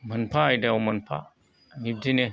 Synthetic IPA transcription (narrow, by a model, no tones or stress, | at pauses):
mənpʰaːjdawmənpʰa̰ | nib̚dine